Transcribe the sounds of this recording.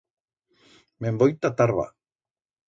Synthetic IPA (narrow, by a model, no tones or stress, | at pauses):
membojt̪at̪aɾβa̰